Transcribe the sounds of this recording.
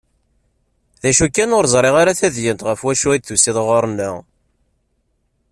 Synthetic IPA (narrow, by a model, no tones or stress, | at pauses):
ðæʃukːænʊɾzˤɾˤeʁaɾaθæðjənt̪ʁəfwæʃuid̪θusiðʁoɾˤnːə